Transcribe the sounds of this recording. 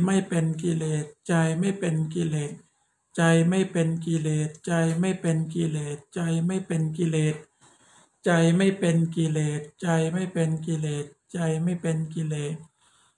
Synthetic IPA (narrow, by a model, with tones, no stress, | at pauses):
ma˥˩jpe˧nk̬i˧leː˨˩t̪̚t͡ɕa˧jma˥˩jpe˧nki˧leː˨˩t̪̚ | t͡ɕa˧jma˥˩jpe˧nki˧leː˨˧˩t̪̚t͡ɕa˧jma˥˩jpe˧nk̬i˧leː˨˩t̪̚t͡ɕa˧jma˥˩jpe˧nki˧leː˨˧˩t̪̚ | t͡ɕa˧jma˥˩jpe˧nki˧leː˨˩t̪̚t͡ɕa˧jma˥˩jpe˧nk̬i˧leː˨˩t̪̚t͡ɕa˧jma˥˩jpe˧nki˧leː˨˧˩t̪̚